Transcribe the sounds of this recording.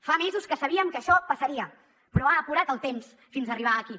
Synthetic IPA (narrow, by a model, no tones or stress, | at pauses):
famezuskəsəβiəmkəʃɔpəsəɾiə | pɾɔaːpuɾat̪əlˠt̪ems | finzəriβ̞aəːki